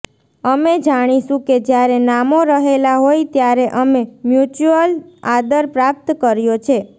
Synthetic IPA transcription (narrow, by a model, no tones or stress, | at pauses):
əmed͡ʒaɽ̃iʃũked͡ʒjaɾenamoɾəɦelaɦoit̪jaɾeʔəmemjut͡ʃuəlad̪əɾpɾap̚t̪kəɾjot͡ʃʰe